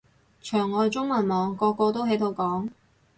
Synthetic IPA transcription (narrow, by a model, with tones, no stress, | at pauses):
t͡ʃʰœː˨˩ŋːɔː˨˧jt͡sʊ˥ŋmɐ˨˩nmɔː˨˧ŋkɔː˧kɔː˧t̪o˥wɦe˨˥jt̪ʰo˨˧wkɔː˨˥ŋ